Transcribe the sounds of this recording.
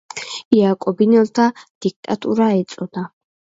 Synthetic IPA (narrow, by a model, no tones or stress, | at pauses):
ijaːkʼɔbinɔlt̪ʰad̪̥ik̚t̪ʼat̪ʰʼṵɾaɛt͡sʼɔd̪a